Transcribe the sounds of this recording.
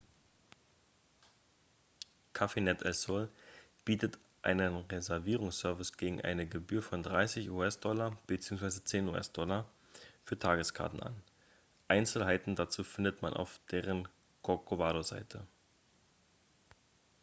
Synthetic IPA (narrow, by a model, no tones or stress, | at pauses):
kʰafenɛtɛlsol | b̥iːtət | ʔa̰ɪnənʁezɛɐviːʁʊŋsœɐvɪsɡ̥eːɡŋ̩ʔa̰ɪnəɡəbyːɐfɔndʁaɪsɪçuːɛsd̥ɔlɐb̥ət͡siːʊŋsv̥aɪzət͡seːnṵːʔɛ̰sd̥ɔlɐ | fyːɐtʰaːɡəskʰa̰ɐtn̩a̰n | ʔaɪnt͡sl̩ɦaɪtn̩dat͡suːfɪndətma̰nʔa̰ʊfd̥eːʁ̞ən | kʰɔkʰovaːɾoza̰ɪtʰə